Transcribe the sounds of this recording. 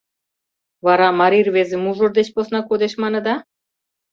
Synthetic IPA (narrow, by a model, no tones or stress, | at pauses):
vɑɾɑmɑɾirβezĕmuʒord̪et͡ɕposnɑkod̪eʃmɑnɤ̆d̪ɑ